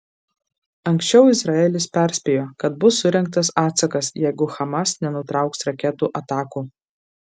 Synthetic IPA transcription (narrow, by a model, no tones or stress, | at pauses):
ɐŋʲksʲt͡ʃʲɛʊɪzɾɑɛːlʲɪspʲɛˑɾʲsʲpʲejoːkɐt̪̚bʊsːʊɾʲɛŋk̚t̪ɐsɑːt̪sɐkɐsjɛɪɡʊxɐmɐsnʲɛnʊt̪ɾɑˑʊksɾɐkʲɛt̪uːʔɐt̪ɑːkuː